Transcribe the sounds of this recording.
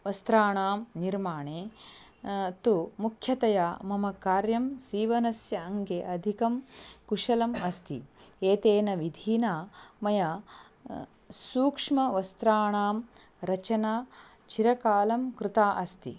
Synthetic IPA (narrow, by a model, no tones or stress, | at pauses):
ʋɐst̪ɾaːɳaːmniɾmaːɳeː | t̪umukʰjɐt̪ɐjaːmɐmɐkaːɾjɐmsiːʋɐnɐsjɐɐŋɡeʔɐd̪ʱikɐmkuʂɐlɐmɐst̪ʰḭeːt̪eːnɐʋid̪ʱiːnaːmɐjɐ | suːkʂmɐʋɐst̪ɾaːɳaːm | ɾɐt͡ʃɐnaː | t͡ʃiɾɐkaːlɐmkɾut̪aːʔɐst̪ḭ